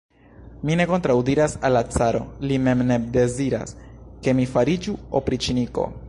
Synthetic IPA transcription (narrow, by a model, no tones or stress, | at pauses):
mine̞ko̞ntɾawdiɾasalːat͡saɾo̞̰lime̞mne̞de̞ziɾa̰ske̞mifaɾid͡ʒuopɾit͡ʃiniko̞̰